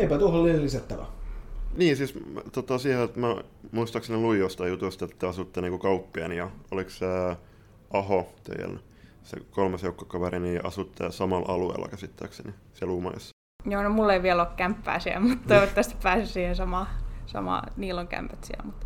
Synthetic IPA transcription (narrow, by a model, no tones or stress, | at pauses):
eipæt̪uoholːiːllisæt̪ːæʋæ̰niːsiːst̪ot̪ɑsiːhet̪mæ | muist̪ɑkseneluijjost̪ɑjut̪ust̪et̪ːæɑsut̪ːeniːkukɑupːiɑnijɑolikse | ɑhot̪ḛiæ̰n | sḛkolmɑsjeukːɑ̥kɑʋeriniːʔɑ̰sut̪ːḛsɑmɑlɑluḛlːɑ̰kæsit̪ːæ̰ːkseni | selumɑ̰isː | joːnomulːeiʋiɛloːkkæmpːæ̰ːsiæ̰mut̪t̪ːoiʋot̪ːɑst̪i̥pæːsessiːhesɑmɑsɑ̰mɑ̰niːlːoŋkæ̰mpæt̪siæ̰lmut̪